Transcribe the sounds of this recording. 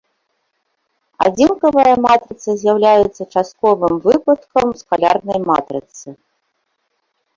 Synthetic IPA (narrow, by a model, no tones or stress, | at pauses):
a̰d͡zʲinkɐvɐjɐmat̪ɾɨt̪sɐzʲjawlʲajut̪sːɐt͡ʂast̪̚kɔvɨmvɨpɐt̪kɐmskalʲa̰rnɐjma̰t̪ɾɨt̪sɨ